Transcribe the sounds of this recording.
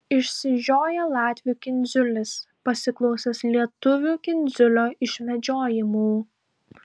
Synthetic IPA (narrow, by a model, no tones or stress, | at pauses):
ɪʃʲsʲɪʒʲoːjɛlˠɑːt̪ʲʋʲuːkʲɪnʲzʲʊlʲɪs | pɐsʲɪklˠɒʊsʲɛslʲiɛt̪ʊʋʲuːkʲɪnʲzʲʊlʲoːɪʃʲmʲɛd͡ʒʲoːjɪmuː